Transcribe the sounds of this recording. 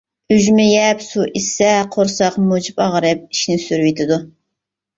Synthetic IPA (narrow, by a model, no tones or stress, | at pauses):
yʒmɪjɛpsuʔisɛqʰoɾsɑqmod͡ʒipɑʁɾɨp̚iʃnɪsyɾwet̪ʰɪd̪u